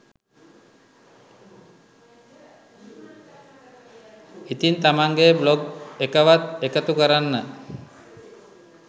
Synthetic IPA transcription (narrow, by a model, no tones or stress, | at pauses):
it̪int̪amaŋɡebloɡekəʋat̪ekət̪ukəɾanːə